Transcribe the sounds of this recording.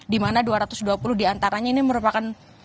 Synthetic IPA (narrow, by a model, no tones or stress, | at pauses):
dimanaduaɾat̪ʊsduapulʊhdiant̪aɾaɲainiməɾupakan